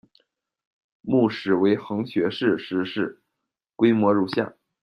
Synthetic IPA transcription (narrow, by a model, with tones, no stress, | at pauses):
mu˥˩ʂɻ̩˨˩we˧˥ɪxɤ˧˥ŋɕɥɛ˧˥ʂɻ̩˥˧ʂɻ̩˥˧ʂɻ̩˥˩ | kwe˥ɪmwɔ˧˥ɻu˥˧ɕja̰˥˩n